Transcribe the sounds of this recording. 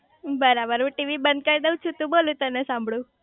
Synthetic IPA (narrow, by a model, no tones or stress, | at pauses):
bəɾabəɾɦũʈiʋibənd̪̚kaid̪eut͡ʃʰũt̪ũbolũt̪ənesãmbʱɽũ